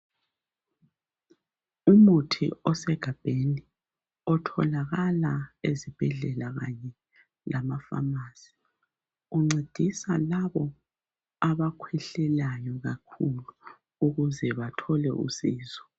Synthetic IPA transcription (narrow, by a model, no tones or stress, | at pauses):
umutʰḭɔsɛɡ̥ʱab̥ʱeni | ɔtʰɔ̰laɣalaezib̥ʱɛɮɛlaɣaɲɛ | lamafa̰maːz̥i̥ | uŋ͡ǀed̥ʱisalaβɔ | aβakʰwɛɬɛlajɔɣakʰulu | uɣuzɛβatʰɔlɛ̰ʔṵsiːzɔ̥